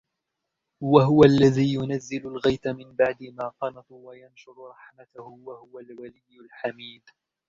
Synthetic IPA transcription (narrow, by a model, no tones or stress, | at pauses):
waɦʊwalːaðiːjʊnazːɪlʊlɣajt̪amɪmbaʕd̪ɪmaːqɑnɑt̪ˤwajanʃʊɾɾˤɑħmat̪ahʊwahʊwalwalɪjːʊlħamiːd̪